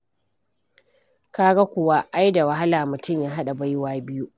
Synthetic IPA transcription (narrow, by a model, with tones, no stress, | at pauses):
ka˦ɡa˦kʷʊ˨wa˦ʔa˦jda˨wa˦ɦa˦laː˨mʊ˨tʊ˦˨mjaː˦ɦa˦ɗa˨ba˦jwaː˦bɪ˦ju˦ʔ